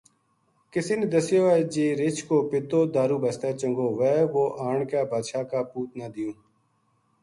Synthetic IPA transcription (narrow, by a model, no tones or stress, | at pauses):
kɪsɪnd̪əsɪjoːɛːd͡ʒiːɾɪt͡ʃʰkoːpɪt̪oːd̪aːɾuːbəst̪eːt͡ʃəŋɡoːʋɛːʋoːʔaːɳkaːbʱaːd̪ʃaːkaːpuːt̪naːd̪ɪjõː